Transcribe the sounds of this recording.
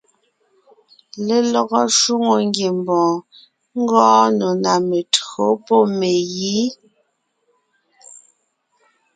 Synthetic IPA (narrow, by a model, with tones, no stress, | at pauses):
le˦lɔ˦˨ɣɔ˦ʃu˦ŋo˨ŋ˦ɡje˨mbɔ̃ː˨ | ŋ̩˦ɡɔ̃ː˦nɔ˨na˨me˨tɣo˨˦pɔ˦˨me˨ji˨˦